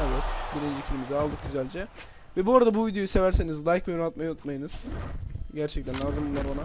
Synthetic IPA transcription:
evɛt̪biɾind͡ʒicʰilʲimizɛalˠd̪ɯk̚ɟyzælʲd͡ʒɛ | vɛbuoɾad̪abuvid̪ejo̞juse̞væɾse̞nizlˠajkvɛjonalˠt̪majanut̪majɯnɯz̥ | ɟæɾt͡ʃʰɛc̚t̪ænlʲaːzɯmbunlˠaɾbana

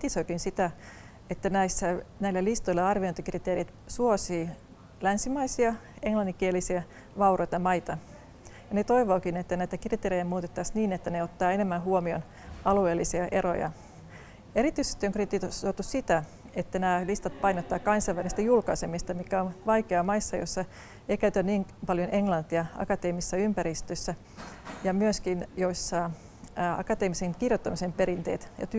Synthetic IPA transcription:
rt̪isoikinsit̪æ | et̪ːænæisːænæilːælist̪oilːeɑrʋiont̪ikrit̪eːrit̪ | suosiː | lænsimɑisiɑ | eŋlɑnːikielisiɑ | ʋɑurojt̪ɑmɑit̪ɑ | jɑnet̪o̞iʋoːkinet̪ːænæit̪ækrit̪eːɾejæmuːt̪et̪ːɑsniːnet̪ːæneot̪ːɑːenemːæɦuomio̰n | ɑlueːlːisiɑʔero̰jɑ̰ | e̞ɾit̪yisest̪ioŋkrit̪ːˑit̪osot̪ːussit̪æ | et̪ːænæːlist̪ɑt̪̚pɑinot̪ːɑːkɑnsɑiʋælist̪æjulkɑisemist̪ɑmikæonʋɑikeɑmɑisːɑjo̰sːɑ | eikæyt̪ænniːŋpɑljonʔeŋlɑnt̪iɑɑ̰kɑt̪eːmisːɑympæɾist̪øsːæ | jɑmyøskinjoisːɑ | ɑ̰kɑt̪eːmiseŋkirjot̪ːɑmisempeɾint̪eːt̪jɑ̰t̪y

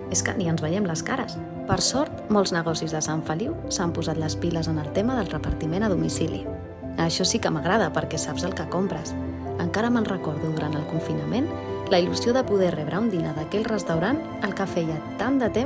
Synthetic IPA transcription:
eskə̰niənzβəʎɛmləskaɾəs | pəɾsɔɾt̪mɔlˠznəɣɔsizðəsaɱfəliwsampuzat̪ləspiləzənəlˠt̪ɛməðəlˠrəpəɾt̪imenəðumisilḭ | əʃɔsikəməɣ̞ɾaðəpəɾkɛsabzəlˠkəkompɾəs | əŋkaɾəmənrəkɔɾðuðuɾant̪əlˠkuɱfinəmen | ləiluzioðəpuð̞ɛrɛβɾəund̪inəðəkɛʎʲrəst̪əwɾan | əlˠkəfɛjət̪and̪ət̪e

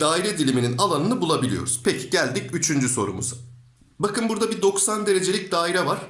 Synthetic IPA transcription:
d̪aːiɾɛd̪ilʲimininalˠanɯnɯbulˠabilʲijo̞̰ɾuz̥pʰɛcʰi̥ɟælʲd̪icyt͡ʃʰynd͡ʒyso̞̰ɾṵmṵzʊ | bakʰɯnbuɾd̪abid̪o̞ksand̪e̞ɾe̞d͡ʒe̞lʲic̚d̪aːiɾɛvaɾ̥

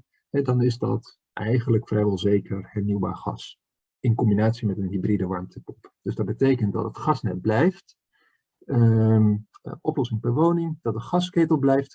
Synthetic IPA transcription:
hɛdɑnɪzdɑt | ʔɛjχənləkfrɛjʋɔlˠzejkərhɛɹniwba̰ːɹχɑ̰s | ɪnkɔmbinaːtsimɛtənɦibridəʋɑɹmtəpɔpd̥øzdɑt̚bətejkəndɑ̰tətχɑsnɛt̚blɛjft | ə | ʔɔplɔsɪŋpɛɹʋownɪŋd̥ɑt̚dəχɑskeːtəlˠblɛjft

